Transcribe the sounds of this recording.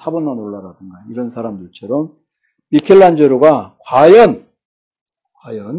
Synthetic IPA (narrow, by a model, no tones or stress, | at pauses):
sʰabʌnmanoɭːaɾadɯŋɡaiɾʌnsʰaɾamdɯɭt͡ɕʰʌɾʌm | mikʰeɭːand͡ʑeɾoɡakwajʌn | kwajʌn